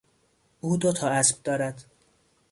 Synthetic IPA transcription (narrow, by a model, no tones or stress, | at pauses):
ʔuːd̪ot̪ʰɒːæsb̥̚d̪ɒːɾæd̪